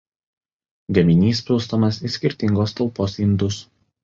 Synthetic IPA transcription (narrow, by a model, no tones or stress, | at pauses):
ɡʲɐmʲɪnʲiːs̬pʲɪlˠst̪omɐsisʲkʲɪɾʲt̪ʲɪŋɡoːst̪ɐlˠˑpoːsɪnd̪ʊs